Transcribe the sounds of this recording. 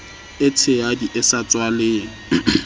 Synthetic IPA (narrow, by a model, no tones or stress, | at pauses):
ɪtʰɪadiʔɪsat͡sʼwaleːŋ̩